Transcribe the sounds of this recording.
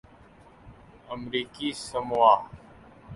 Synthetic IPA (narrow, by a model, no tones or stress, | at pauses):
əmɾiːkiːsəmwaː